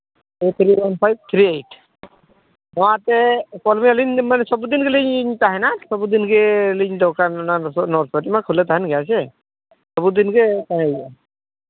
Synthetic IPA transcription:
et̪ʰɾiwanpʰajb̚t̪ʰɾiejtʰ | nɔwatɛkɔlmialinmanɛsɔbud̪inkɛliɲɲt̪aɦɛnasɔbud̪inkɛliɲdɔkananɔɾt̪ʰatimakʰːulɛt̪aɦɛnɡɛas̬ɛ | sɔbud̪inkɛtaɦɛa

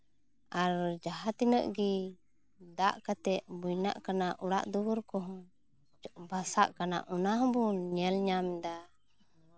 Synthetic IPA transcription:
aɾd͡ʒaɦat̪inəʔɡi | d̪aʔkat̪ɛʔ̚bujna̰ʔkanaʔuɽa̰ʔd̪uwuɾkɔɦɔ̃ | basaʔkana̰ʔɔnaɦɔ̃bɔɲɛlɲamɛd̪a

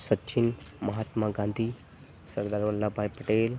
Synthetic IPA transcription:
sətːt͡ʃʰin | mɐɦaːt̪maɡãnd̪ʱiː | səɾd̪aːɾʋəlːabʱaːjpəʈeːl

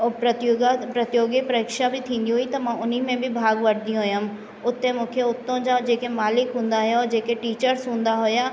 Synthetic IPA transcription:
pɾɐt̪oɡapɾɐt̪joːɡɪpɾəɪkʃabʱit̪ʰĩːnd̪iɦoit̪ɐmãʊnimẽbʱibʱaːɡʋɐɽd̪ijũɦʊjãm | ʊt̪ːemʊ̃ːkʰeʊt̪ːõd͡ʒad͡ʒeːkemaːlɪkɦʊ̃ːnd̪aɦʊjaɔːɾd͡ʒeːkeʈiːt͡ʃəɾsɦũːnd̪aɦʊjaː

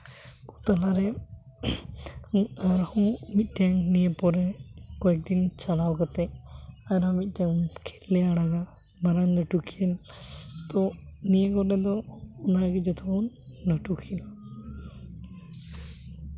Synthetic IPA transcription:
kut̪alaɾɛ | aɾhɔ̃mit̪̚ˀʈaŋnijepɔɾɛkɔɛk̚d̪int͡ʃalawkat̪ɛaɾamit̪̚ˀʈjaŋkʰɛlɛaɽaɡa | maɾannəʈukʰiɛlt̪ɔnijekɔɾɛd̪ɔɔnaɡid͡ʒɔt̪ʰɔɔnː | əʈukʰil

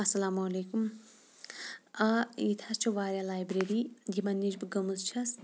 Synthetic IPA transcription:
ɐsɐlaːmolekum | ait̪ʰast͡ʃʰuʋaːɾjalajbɾeɾiɡʱimɐnːid͡ʒbɡɐmuzt͡ʃʰɐs

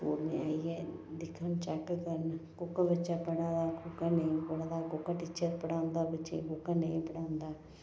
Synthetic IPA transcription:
toːɾneaːiɛːd̪ɪkʰːənt͡ʃɛkːkəɾnkʊkabət͡ʃapəɽãːd̪aːkʊkanə̃ĩpəɽd̪aːkʊkːaʈiːt͡ʃəɾpəɽãːnd̪aːbət͡ʃḛ̃kʊkaneĩpəɽãːnd̪aː

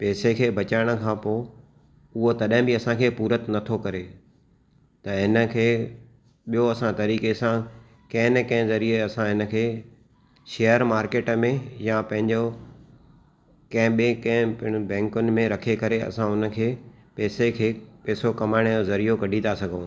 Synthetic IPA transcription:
peːsekʰeːbɐt͡ɕaːɪɽ̃ə̆kʰãːpoː | ʊɦot̪ɐɗɦɪ̃bɪɐsãkʰeːpuːɾət̪nɐt̪ʰokɐɾe | t̪ɐɦɪnə̆kʰeː | ɓijoɐsãt̪ɐɾiːkesã | kɐ̃ɦɪ̃nkɐ̃ɦɪ̃zɐɾieɐsãɦɪnə̆kʰeː | ʃeːəɾmaːɾkeːʈmẽjapɐ̃ɦɪ̃ɲd͡ʑo | kɐ̃ɦɪ̃ɓẽkɐ̃ɦɪ̃ɪ̃bɛ̃ːŋkʊnɪ̆mẽɾɐkʰekɐɾeɐ̰sãʊnə̆kʰeː | pɛːsekʰeːpɛːsokɐmaːɪɽ̃jozɐɾijokɐɖʱĩnd̪asɐɡʱõː

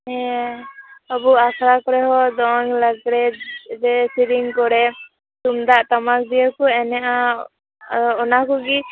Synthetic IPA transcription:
ɦɛ | əbuakʰɾakɔɾɛɦɔd̪ɔŋlaɡɾɛd͡ʒɛsiɾiŋkɔɾɛ | t̪umd̪aʔt̪ɔmak̚d̪ijəkuɛnɛʔa | ɔnakuɡi

